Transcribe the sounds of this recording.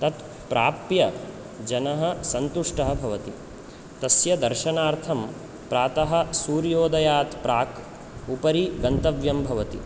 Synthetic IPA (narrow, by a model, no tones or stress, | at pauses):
t̪ɐt̪ | pɾaːpjɐ | d͡ʒɐnɐɦɐsɐnt̪uʂʈɐɦɐ̆bʱɐʋɐt̪i | t̪ɐsjɐd̪ɐɾʃɐnaːɾt̪ʰɐm | pɾaːt̪ɐɦɐ̆suːɾjoːd̪ɐjaːt̪pɾaːk | upɐɾiɡɐnt̪ɐʋjɐmbʱɐʋɐt̪ḭ